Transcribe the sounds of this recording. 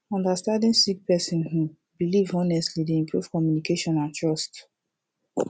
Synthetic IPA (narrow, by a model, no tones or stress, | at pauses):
ɔ̃ndastãndĩnsik̚pɛsĩnhu | bilivɔnɛstlideĩmpʰɹuv̥kɔmjunikeʃɔ̃nãntɹɔst